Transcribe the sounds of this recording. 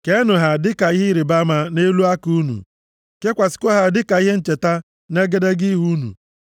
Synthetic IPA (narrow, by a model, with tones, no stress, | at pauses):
ke˦nʊ˨ɦa˨dɪ˦ka˨i˦ɦɪ˦ɾi˨ba˦ma˨ne˦lu˦a˦ku˦nṵ˨ | ke˦kʷa˨sɪ̥˨ko˦ɦa˨dɪ˦ka˨i˦ɦe˦n̩˦t͡ʃe˨ta˦ | ne˦ɡe˦de˦ɡi˦ɦu˦nṵ˨